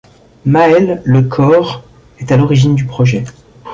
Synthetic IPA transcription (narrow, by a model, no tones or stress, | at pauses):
maɛlːəkʰɔʁ | ɛt̪alɔʁiʒind̪ypχɔʒɛ